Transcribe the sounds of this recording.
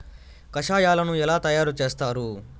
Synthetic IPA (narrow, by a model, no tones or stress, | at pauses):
kɐʃaːjaːlɐnuɛlaːt̪ɐjaːɾut͡ʃe̞ːst̪aːɾu